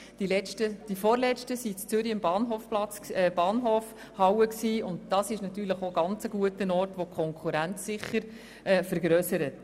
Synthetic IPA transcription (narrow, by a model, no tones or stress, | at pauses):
d̥ilɛt͡ʃtəd̥ifɔːɾlɛt͡stəsit͡st͡sʏɾiəmbɑːnɦoːfplɑt͡sɛb̥ɑːnɦoːf | hɑwəksiːʊndd̥ɑsɪʃnɑt̪yːɾləχoɡ̥ɑnt͡səɡ̥uətənɔːrtʋokʰχɔŋkʰuɾænt͡ssɪχːəɾ | ɛːfəɾɡɾœsəɾət